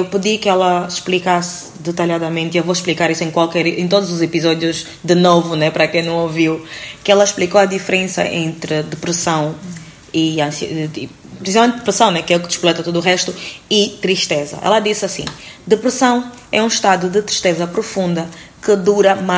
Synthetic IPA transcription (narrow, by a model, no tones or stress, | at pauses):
ewpɨðikɨɛlˠɐʃplikas | d̪ɨt̪ɐljaðɐmẽnt̪iewvoʃplˠikaɾisuẽj̃kwalˠkɛɾẽt̪od̪uzuzepizɔd̪juz | d̪ɨnovunɛpɾɐkẽj̃nɐ̃w̃oviwkɛlˠɐʃplˠikoɐd̪ifɨɾẽsɐ̰ʔẽnt̪ɾɨd̪ɨpɾɨsɐ̃w̃ | iɐ̃si | pɾsizalmẽnt̪̚d̪ɨ̥pɾɨsɐ̃w̃nɛkɛukɨd̪ɨʃplˠɛt̪ɐt̪od̪uːʁɛʃt̪uit̪ɾiʃt̪ezɐ̰ʔɛ̰lɐd̪isɐsḭ̃d̪ɨpɾɨsɐ̃w̃ | ɛũʃt̪ad̪ud̪ɨt̪ɾiʃt̪ezɐpɾufũnd̪ɐkɨd̪uɾɐma